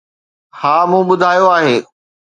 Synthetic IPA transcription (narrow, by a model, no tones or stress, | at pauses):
haːmũːɓʊd̪ʱaːjoaːɦeː